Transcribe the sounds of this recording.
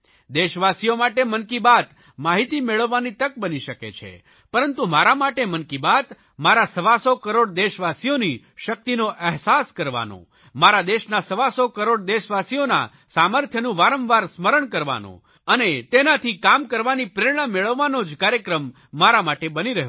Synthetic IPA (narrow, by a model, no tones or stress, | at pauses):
d̪eʃʋasijomaʈemənkibat̪ | maɦit̪imeɭəʋːanit̪ək̚bəniʃəkḛt͡ʃʰḛ | pəɾənt̪umaɾamaʈemənkibat̪ | maɾasəʋasokəɾoɽd̪eʃʋasijoni | ʃək̚t̪inoʔɛɦsaskəɾʋa̰no̰ | maɾad̪eʃnasəʋasokəɾoɽd̪eʃʋasijona̰ | saməɾt̪ʰjənũʋaɾə̃mʋaɾsməɾəɳkəɾʋa̰nõ̰ | ənet̪enat̪ʰikamkəɾʋanipɾeɾɽ̃ameɭəʋːanod͡ʒkaɾjəkɾəmː | aɾamaʈebəniɾəɦe